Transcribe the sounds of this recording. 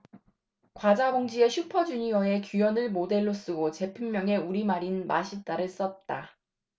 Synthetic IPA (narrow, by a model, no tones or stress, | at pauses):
kwad͡ʑaboŋd͡ʑie̞ɕʰupʰʌd͡ʑuɲiwʌe̞kjujʌnɯɭmode̞ɭːos͈ɯɡot͡ɕe̞pʰɯmːjʌŋe̞uɾimaɾinma̰ɕʰit͈aɾɯɭs͈ʌt̚t͈a